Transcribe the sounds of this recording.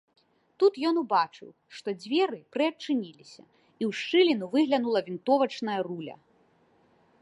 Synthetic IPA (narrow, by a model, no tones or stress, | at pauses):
t̪ut̪jɔnubat͡ʂɨ̰w | ʂt̪ɔd͡zʲvʲɛɾɨpɾɨɐt͡ʂɨnʲilʲisʲɐ̰ | iwʂt͡ʂɨlʲinuvɨɣlʲɐnulˠɐvʲint̪ɔvɐt͡ʂnɐjɐrulʲɐ̰